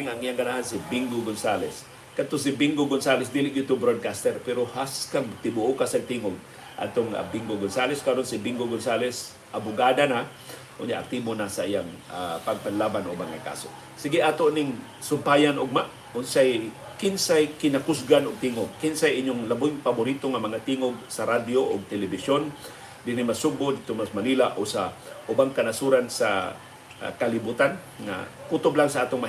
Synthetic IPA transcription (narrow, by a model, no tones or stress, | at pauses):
ŋaŋʔijaŋkanahansɪbiŋɡoɡonsalɛs | kad̪̚t̪osɪbɪŋɡoɡonsaːlɛs̬d̪iːlɪʔjʊt̪ʊbɾod̪̚kast̪ɛɾpɛɾohaskaŋt̪ɪbʊʔokasaɡ̚t̪iːŋoɡ | ʔa̰d̪̚t̪oŋa̰biŋɡoɡonsalɛskaɾonsɪbɪŋɡoɡonsaːlɛs | ʔabʊɡaːd̪ana | ʔʊ̰nɲa̰ʔa̰t̪imonasaʔijaŋapaɡ̚panlaːbanʔobaŋaka̰so̰ | sɪɡɪʔaːt̪oʔnɪŋ | sʊmpajanʔoɡ̚maʔ | ʊnsaj | kɪnsajkɪnakʊsɡanoɡ̚t̪iŋoɡ̚kɪnsajʔɪɲʊŋlabʊjŋpabʊɾit̪oŋamɐŋat̪iːŋoɡ̚saɾad̪joʔoɡ̚t̪ɛlɛbɪsjon | d̪ɪɾɪmasʊbod̪iɡ̚t̪omasmaniːlaʔosaʔʊbaŋkanasuɾansa̰ | kalibut̪an | ŋa̰kut̪oblaŋsaʔaːt̪oŋma